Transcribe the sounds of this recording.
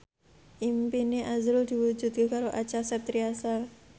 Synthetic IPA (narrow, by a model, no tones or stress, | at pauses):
ʔimpineʔazɾʊld̪̥i̤wud͡ʒut̪̚kekaɾoʔat͡ʃasɛt̪ɾiasa